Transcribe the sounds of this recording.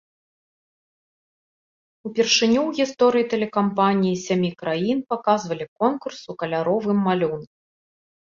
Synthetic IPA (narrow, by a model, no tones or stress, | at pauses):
upʲɛrʂɨnʲuwɣʲist̪ɔɾɨjit̪ɛlʲɛkampanʲijisʲamʲikɾajinpakazvɐlʲikɔnkursukɐlʲaɾɔvɨmːalʲunku